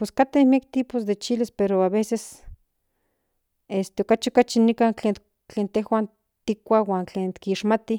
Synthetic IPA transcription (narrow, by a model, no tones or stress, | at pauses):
peskat̪ehmiak̚t̪iːpos̬d̪et͡ʃilispeɾoaβeses | est̪eokat͡ʃiokat͡ʃinikant͡ɬeːn | t͡ɬeːnt̪ehwan | t̪ikʷawaːnt͡ɬeːnt̪kiʃmat̪i